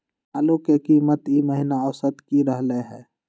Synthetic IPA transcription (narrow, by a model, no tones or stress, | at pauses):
aːlokekiːmət̪iməɦɪnaɔsət̪kiɾəɦleɦɛː